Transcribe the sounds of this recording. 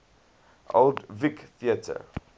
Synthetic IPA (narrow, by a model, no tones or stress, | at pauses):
ʔo̰ldvɪkθiətʰə̰